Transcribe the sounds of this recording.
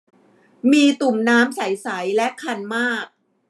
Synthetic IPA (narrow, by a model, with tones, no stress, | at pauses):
miː˧t̪u˨˩mnaː˦˥msa˩˦jsa˩˦jlɛ˦˥kʰa˧nmaː˥˩k̚